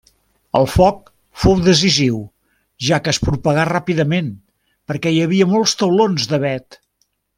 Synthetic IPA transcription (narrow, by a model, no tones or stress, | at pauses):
ə̰lˠfɔk̚ | fowðəz̬iziw | ʒakəːspɾupəɣarapiðəmen | pəɾkɛjəβiəmolˠst̪əwlonzd̪əβɛt̪